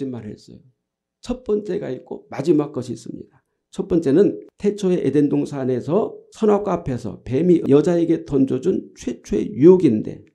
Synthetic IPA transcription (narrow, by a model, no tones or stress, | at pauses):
immaɾɦḛs͈ʌ̰jo | t͡ɕʰʌt̚p͈ʌnt͡ɕ͈e̞ɡa̰it̚k͈omad͡ʑimak̚k͈ʌɕʰiːs͈ɯmɲḭda | t͡ɕʰʌt̚p͈ʌnt͡ɕ͈e̞nɯntʰe̞t͡ɕʰoe̞ʔede̞ndoŋsʰane̞sʰʌsʰʌnwap̚k͈apʰe̞sʰʌ̰pe̞miʔjʌd͡ʑae̞ɡe̞tʌnd͡ʑod͡ʑunt͡ɕʰwe̞t͡ɕʰoe̞̰juoɡinde̞̰